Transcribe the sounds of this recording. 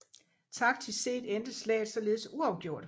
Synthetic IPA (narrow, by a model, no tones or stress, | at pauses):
t͡sʰɑ̈ɡ̥̚t͡sʰe̝se̝̰ːd̥end̥əslɛ̰ːðˠsɒ̽le̝ːð̞̩ˠsuɑ̈ʊɡ̥jo̝ɐ̰d̥